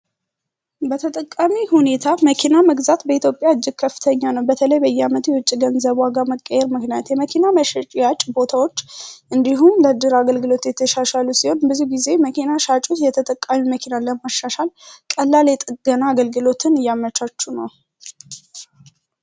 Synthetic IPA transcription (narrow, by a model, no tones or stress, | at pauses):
bət̪ʰət̪ʼəkʼːamihune̞t̪ʰaməkʰinaməɡzat̪bəit̪ʰjo̞pʼjaɨd͡ʒːɪɡ̥̚kʰəfːɨ̥t̪ʰəɲːanəwbət̪ʰələjbəjːɛamət̪jɛwʊt͡ʃʼːiɡənzəβwaɡaməkʼːəjɛɾmɨknijat̪jɛməkʰinaməʃɛt͡ʃʼjat͡ʃʼbo̞t̪ʰawo̞t͡ʃːʔɨnd̪iɦumd̪əd̪ɨɾaɡəlɡɨlo̞t̪jɛt̪ʰːəʃaʃalusiho̞nbɨzuɡize̞məkʰinaʃat͡ʃʼot̪jɛt̪ʰət̪ʼəkʼːamunməkʰinaləmaʃːaʃalkʼəlːalɛt̪ʼɡ̥ənaːɡəlɡɨlo̞t̪ʰɨnɨjːamət͡ʃat͡ʃːunəw